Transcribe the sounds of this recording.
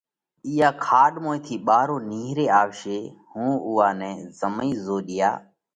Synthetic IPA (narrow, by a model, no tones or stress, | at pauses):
iːjaːkʰaːɗmoːeːt̪ʰiːɓaːɾoːniːɦɾeːaːʋʃeːhũːʊːaːnɛ̃ːzəmĩːzoːɗɪja̰ː